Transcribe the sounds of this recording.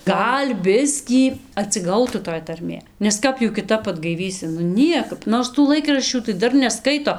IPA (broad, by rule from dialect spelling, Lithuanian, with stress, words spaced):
ˈɡɐlʲ ˈbʲɪsʲkʲiː ɐtʲsʲɪˈɡɐʊtuː toːj tɐrʲˈmʲeː nʲɛs ˈkɐp juː kʲɪˈtɐp ɐdɡɐɪˈʋʲiːsʲɪ nʊ ˈnʲiɛkɐp ˈnoːrs tuː ˈlˠɐɪkrɐʃʲt͡ʃʲuː tɐɪ ˈdɐr nʲɛˈskɐɪtoː